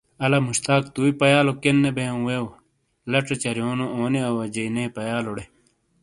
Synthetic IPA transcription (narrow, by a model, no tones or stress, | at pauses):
ɐlɐmuɕt̪aːk̚t̪uːipɐjaːlokenːebeɐ̃wew | lɐʈ͡ʂet͡ɕɐɾijoːnooːniɐwɐd͡ʑɐnejpɐjaːloɽe